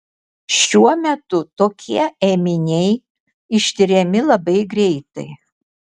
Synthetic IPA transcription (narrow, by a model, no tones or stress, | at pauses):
ʃʲuɔmʲɛt̪ʊt̪oːkʲʰiɛemʲɪnʲɛɪ | ɪʃʲt̪ʲɪɾʲɛmʲɪlˠɐbɐɪɡɾʲɛɪt̪ɐ̰ɪ